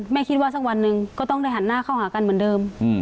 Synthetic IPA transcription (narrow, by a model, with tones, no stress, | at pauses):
mɛː˧˩kʰi˧t̪̚waː˧s̬aː˧˩k̚wa˧nːɯ˧ŋkɔː˧˩t̪ɔ˥˩ŋda˧˩jɦa˨˧˦nːaː˧˩˨kʰa˧˩whaː˩˦ka˧˨nmɯ˩˦ndɤː˧m˧˩